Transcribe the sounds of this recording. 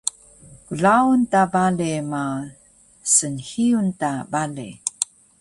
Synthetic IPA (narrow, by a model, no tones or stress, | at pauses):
kuɮauntabalema | sənhiuntabalḛ